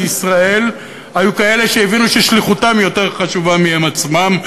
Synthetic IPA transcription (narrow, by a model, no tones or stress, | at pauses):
isʁae̞l | ajukae̞le̞ʃeevinuʃeʃliχutamjo̞te̞ʁχaʃuvamihemat͡smam